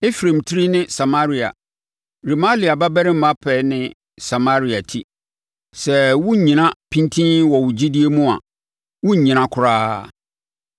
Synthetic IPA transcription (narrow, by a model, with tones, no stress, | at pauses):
e˦fɾẽ˨mtʰɪ˦ɾi˦nɪ̃˦sa˨ma˦ɾi˨a̰˨ | ɾi˨ma˦li˨a˨ba˦bɛ˦ɾɪ̃˦m̩˦mã˦pʰɛ˨nɪ̃˦ | sa˨ma˦ɾi˨a˨tʰi˦ | sɛ˨wʊ̃˦ɲ̩˨ɲĩ˨nã˦pʰĩ˦ntʰĩ˦nwɔ˨wʊ˨d͡ʑi˦di˦e˦mũ˦a̰˨ | wʊ˦ɲ̩˨ɲĩ˨nã˦kʰʊ˨ɾaː˦